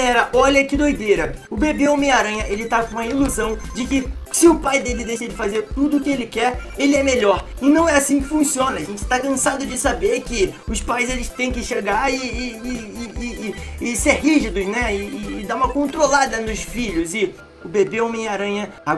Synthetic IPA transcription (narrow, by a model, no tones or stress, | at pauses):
ɛɾɐʔɔʎɐkid̪ojd̪ejɾɐʊbebeʊmẽjaɾɐ̃ɲɐʔelɪt̪akõmɐiluzɐ̃w̃d͡ʒɪkɪsɪʊpajd̪elɪd̪ejʃɐd͡ʒɪfazeɾt̪ud̪ʊːkɪelɪkɛɾelɪɛmeʎɔɾɪnɐ̃w̃ɛasĩkɪfũsiõnɐːʒẽt͡ʃɪ̥t̪akɐ̃sad̪ʊd͡ʒɪsabeɾkɪʊspajzelɪst̪ẽj̃kɪʃeɡaɾɪː | seɾɦiʒid̪ʊʃnɛɪːd̪aũmɐkõnt̪ɾolad̪ɐnʊsfiʎʊzɪ | ʊbebeʊ̃mẽjaɾɐ̃ɲɐ | a